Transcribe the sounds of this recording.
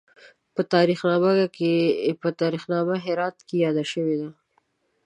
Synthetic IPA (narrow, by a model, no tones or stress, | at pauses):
pət̪ɑɾixnɑmakepət̪ɑɾixnɑmaɦɪɾɑt̪̚kejɑd̪aʃəwed̪a